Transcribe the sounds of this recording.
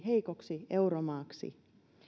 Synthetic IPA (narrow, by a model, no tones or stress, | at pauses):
ɦeikoksieuɾomɑːksḭ